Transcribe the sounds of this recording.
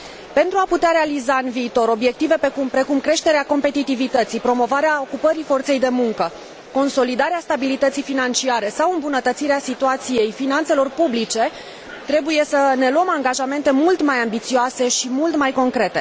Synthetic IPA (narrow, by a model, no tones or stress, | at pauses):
pe̞nt̪ɾuaput̪eaɾe̞alizaɨnviːt̪o̞ɾo̞bje̞k̚t̪ive̞pekumpɾe̞kumkɾe̞ʃt̪e̞ɾeako̞mpe̞t̪it̪ivit̪ət̪sipɾo̞mo̞vaɾeaokupəɾifo̞rt̪se̞jd̪e̞muŋkə | ko̞nso̞lid̪aɾeast̪abilit̪ət̪sijfinant͡ʃiaɾe̞sawɨmbunət̪ət̪siɾeasit̪uat̪sije̞jfinant̪se̞lo̞rpublit͡ʃe̞ | t̪ɾe̞buje̞səne̞luəmaŋɡaʒame̞nt̪e̞mult̪majambit̪sioase̞ʃimult̪majko̞ŋkɾe̞t̪e̞̰